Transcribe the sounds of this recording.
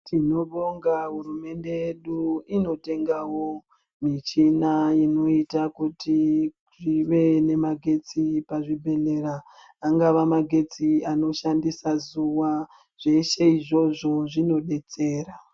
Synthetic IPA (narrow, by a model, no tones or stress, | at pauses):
tʰino̞ɓo̞ŋɡaɦurume̞nde̞jeɗuino̞te̞ŋɡawo̞ | mit͡ʃinajino̞itakuti | ʐiʋe̞ne̞maɡʱe̞t͡sipaʐibʱe̞le̞ɾaː | ŋɡaʋamaɡʱe̞t͡siano̞ʃandisazuwa | ʐ̥e̞ʃe̞iʐo̞ʐo̞ʐino̞ɗe̞t͡se̞ːra